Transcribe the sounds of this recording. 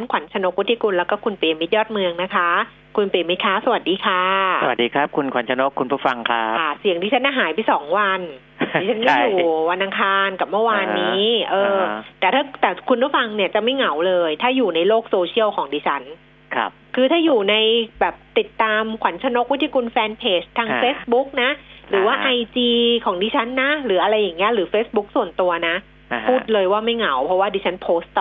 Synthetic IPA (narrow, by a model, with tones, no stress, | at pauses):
a˦˥nkʰwa˩˦nt͡ɕʰa˧no˧˦˥k̚wu˦˥t̪ʰːi˧ku˧nlɛ˦˥wkɔː˥˩kʰu˧npe˨˩˦mi˦t̪̚jɔː˥˩t̪̚mɯ˧əŋna˦˥kʰa˦˥ | kʰu˧npmi˦˥t̪̚kʰa˦˥˩sa˧wa˨˩t̪̚diː˧kʰaː˧˥˩sa˧wa̰˨˩t̪̚diː˧kʰa˦˥p̚kʰu˧nkʰwa˨˩˦nt͡ɕʰa˧no˦˥kʰːu˧npʰuː˥˩fa˧ŋkʰa˦˥˩a˥˩si˨˩˦əŋt̪ʰiː˧˩a˦˥nʔa˧ɦaː˩˦jba˧˩jsɔː˩˦ŋwa˧n | iː˧˩t͡ɕʰa˦˥nma˥˩˧jjuː˨˩wa˧nʔa˧ŋkʰaː˧nka˨˩p̚mɯ˥˩waː˧nːiː˦˥˦ʔɤː˧t̪ɛː˨˩t̪ʰaː˥˩t̪ɛː˨˩kʰu˧npʰuː˦˥˩fa˧ŋni˥˩ɐt͡ɕa˨˩ma˥˩jŋa˩˦wlɤː˧jt̪ʰaː˥˩juː˨˩na˧jloː˥˩k̚soː˧t͡ɕʰi˥˩əwkʰɔː˩˦ŋdiː˧t͡ɕʰa˦˥n̰ʰ | kʰɯː˧t̪ʰaː˥˩juː˨˩na˧jbɛː˨˩p̚t̪i˨˩t̪ːaː˧mkʰwa˩˦nt͡ɕʰa˧no˦˥k̚wt̪ʰiː˧˩ku˧nfɛː˧npʰeː˦˥t͡ɕt̪ʰːaː˧ŋfeː˦˥sbu˦˥k̚na˦˥ɾɯː˩˦waː˥˩ʔa˧jt͡ɕiː˧kʰɔː˩˦ŋdiː˧t͡ɕʰa˦˥nːa˦˥ɾɯː˩˦ʔa˧ɾa˧jːaː˨˩ŋːi˦˥ɐɾɯː˩˦feː˦˥sbu˦˥k̚su˨˩ənt̪u˧ɐna˦˥ | pʰuː˥˩t̪̚lɤː˧jwaː˥˩ma˥˩jŋa˩˦wpʰɔ˦˥waː˥˩diː˧t͡ɕʰa˦˥npʰoː˦˥st̪